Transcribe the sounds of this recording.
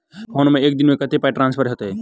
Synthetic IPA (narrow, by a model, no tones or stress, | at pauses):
ɦoːnomẽeːk̚d̪ɪnmẽkət̪epaeʈɾãːnspʰəɾɦet̪ɛ